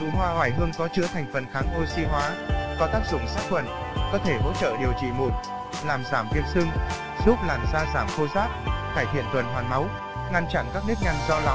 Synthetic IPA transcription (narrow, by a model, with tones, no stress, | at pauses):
ɨ̰˨˩hwaː˧waː˧˩jɦɨ˧əŋkɔ˨˦t͡ɕɨ̰˧˥ət̪ʰɛ˨˩jŋ̟fə˨˩nxaː˨˦ŋʔo˧si˧ɦwaː˨˦vaː˨˩t̪aː˦˥k̚zʊ̰˧˨ŋ͡msaː˦˥k̚xwə˨˧˩n | kɔ˨˦t̪ʰe˧˩ɦo̰˧˥t͡ɕə̰ː˧˨ɗi˨˩əwt͡ɕḭ˧˨mu˨˩t̚ | laː˨˩mzaː˧˩mvi˨˩ət̚sɨ˧ŋ | zu˦˥p̚laː˨˩mzaː˧zaː˧˩mxo˧zaː˦˥p̚kaː˧˩jt̪ʰḭ˧˨ənt̪wə˨˩nɦwaː˨˩nma˨˦w | ŋa˧nt͡ɕa˧˩nkaː˦˥k̚nɨ˦˥k̚ɲa˧jŋzɔ˧la˨˦